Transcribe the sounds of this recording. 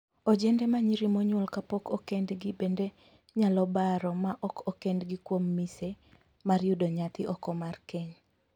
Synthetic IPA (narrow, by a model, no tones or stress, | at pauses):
od͡ʒɛndɛmaɲiɾimoɲwɔlkapɔkokendɡɪbende | ɲalɔbaɾɔmaʔɔkɔkendɡɪkwomːise | maɾjudoɲat̪ɪʔɔkɔmarkeɲ